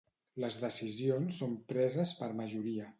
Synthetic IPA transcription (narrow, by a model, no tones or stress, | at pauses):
ləzðəsizionsːompɾɛzəspəɾməʒuɾiə